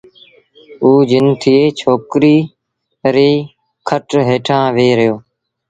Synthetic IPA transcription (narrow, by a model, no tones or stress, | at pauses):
uːd͡ʒɪnt̪ʰɪeːt͡ʃʰoːkɾiː | ɾeː | kʰəʈɦeːʈʰãːʋeːɾəjoː